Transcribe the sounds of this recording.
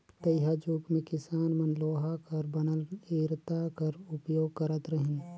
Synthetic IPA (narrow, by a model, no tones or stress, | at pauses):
t̪ɐjɦad͡ʒuːkmẽkɪsaːnmɐnloːɦakɐɾbɐnəleːɾt̪akɐɾʊpjoːɡ̚kɐɾət̪ɾɐɦɪn